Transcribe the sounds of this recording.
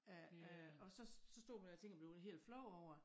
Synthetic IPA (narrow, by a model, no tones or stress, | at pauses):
æɒ̽sɒ̽sɒ̽sd̥o̝̰ːmændet͡sʰe̝ŋ̰ɡ̥ɐb̥le̝ʊɦe̝̰ːld̥flɒʊ̰ɒʊ̰ɐ